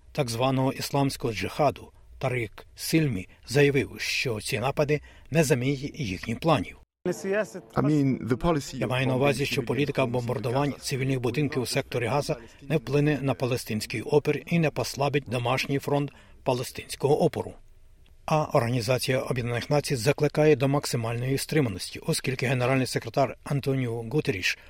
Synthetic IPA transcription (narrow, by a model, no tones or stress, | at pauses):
t̪ɑɡzʋɑnɔɦɔʔislˠɑmsʲkɔɦɔd͡ʒɪxɑd̪ʊ | t̪ɐɾiksilʲmʲḭ | zɐjɐʋɪwʃt͡ʃɔt͡sʲinɑpɐd̪ɪ | nɛzɐmʲijtʲjixnʲiplˠɑnʲiw | amĩnðəpʰɑlˠɪsjamɑjɛnɐuʋɑzʲiʃt͡ʃɔpɔlʲit̪ɪkɐwbɔmbɐrd̪ʊʋɑnʲt̪sʲɪʋʲilʲnɪxbʊd̪ɪnkʲiwsɛk̚t̪ɔɾʲiɦɑzɐnɛwplˠɪnɛnɐpɐlˠest̪ɪnʲsʲkijɔperinɛpɔslˠɑbɪt̚ʲd̪ɔmɑʃnʲijfɾɔnt̪ | pɐlˠest̪ɪnʲsʲkɔɦɔʔɔpɔ̰ɾʊ̰ | ɐʔɔrɦɐnʲizɑt͡sʲijɐʔɔbʲjɛd̪nɐnɪxnɑt͡sʲijzɐklˠɪkɑjɛd̪ɔmɐksɪmɑlʲnɔjist̪ɾɪmɐnɔsʲtʲiʔɔskʲilʲkɪɦe̞neɾɑlʲnɪjsekɾet̪ɑrɐnt̪ɔnʲijuɡut̪eɾʲiʃ